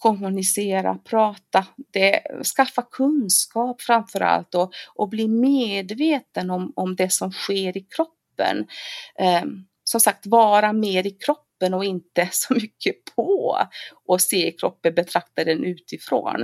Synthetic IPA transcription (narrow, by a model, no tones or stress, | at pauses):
kʰɔmʊnɪseːɾa̰pʰɾɑːt̪ad̪̥ɛskafːakʰɵnskɑːpfɾamfœɾa̰lt̪ɔʔɔbliːmeːd̪veːt̪ənɔmɔmd̪ɛsɔmɧeːɾɪkʰɾɔpːə̰n | sɔmsak̚t̪vɑːɾameːɾɪkʰɾɔpːənɔɪnt̪əsɔmʏkʰːəpʰɔ | ʔɔseːɪkʰɾɔpːənbɛt̪ʰɾak̚t̪ad̪ɛnʔʉ̟ːt̪ɪfɾo̰ːn